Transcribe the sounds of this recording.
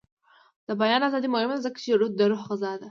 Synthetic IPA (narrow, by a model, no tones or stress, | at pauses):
d̪̥əbajɑnazɑd̪imʊhɪmd̪azəkḁt͡ʃeɽud̪̚d̪əɾʊhxazɑd̪a